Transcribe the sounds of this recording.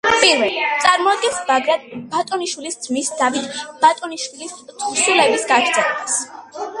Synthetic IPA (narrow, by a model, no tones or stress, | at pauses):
pʼiɾvɛlt̪sʼaɾmɔad̪̚ɡɛnsbaɾabat̪ʼɔniʃwilisd̪z̥misd̪avit̪ʰb̥at̪ʼɔniʃwilissulɛbisɡaɡɾd̪z̥ɛlɛbas